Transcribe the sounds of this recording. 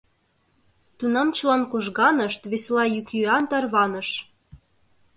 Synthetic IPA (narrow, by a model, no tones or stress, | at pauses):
t̪unɑmt͡ɕəlɑnkoʒɣɑnəʃt̪βeslɑjykjyɑnt̪ɑrβɑnə̆ʃ